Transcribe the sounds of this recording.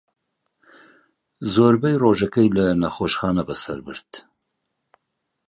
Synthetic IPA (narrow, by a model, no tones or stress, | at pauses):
zoːɾbɛjroːʒɐkɐjlɐnɐxoʃxɑːnɐbɐsɐ̰ɾbɨ̰ɾd̪̥